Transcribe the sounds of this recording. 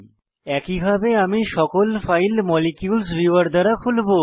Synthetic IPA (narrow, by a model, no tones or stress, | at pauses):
ɛkibʱabeamiʃɔkolfajlmɔlikjuls̬biaɾd̪aɾakʰulbo